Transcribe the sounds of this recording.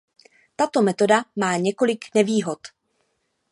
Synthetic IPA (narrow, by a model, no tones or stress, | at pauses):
t̪at̪o̞mɛt̪o̞damaːɲɛko̞lɪknɛviːɦo̞t̪